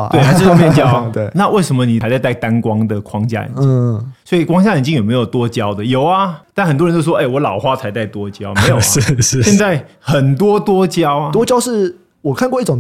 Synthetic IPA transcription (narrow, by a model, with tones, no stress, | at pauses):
we˥˩xa˥ʂ̩˥jmjɛ˥˧˩t͡ɕjɑ˥ʊe˥˩na˥˧wʔe˥˩ɪʂə˧˥mə˧ni˨˩a˧˥ɪt͡sa˥˧ɪt̪a˥˩ɪt̪a˦˥nkwɑ˥ŋd̪ə˨kʰwɑ˦ŋt͡ɕja̰˥˩ə̰˨n˥swɔ˧˥i˨˩kwɑ˥ŋt͡ɕja˥jə˨nt͡ɕi˥jo˨˩me˧˥ɪjo˨˩ʊt̪wɔ˦t͡ɕjɑ˦˥ʊd̪ə˨jo˨˩ʊɐ˦t̪a˥˩nxə˨˩nt̪wə˧˦t͡ɕjo˥˩ʂwɔ˥˧e˥˩ɪwɔ˨˧˦lɑ˨˩ʊxwa˥˩t͡sʰa˧˥ɪt̪a˥˩ɪt̪wɔ˦˥t͡ɕjɑ˥˦ʊme˧˥ɪj̩˨˥˧ɕɛ˥˧nt͡sa˥˩ɪxə˨˩nt̪wɔ˥t̪wɔ˥t͡ɕjɑ˥˦ʊat̪wɔ˥t͡ɕjɑ˥ʊʂɻ̩˥˩ | wɔ˨˩kʰa˥˧nkwɔ˥˧i˥˩ʈ͡ʂʊ˨˩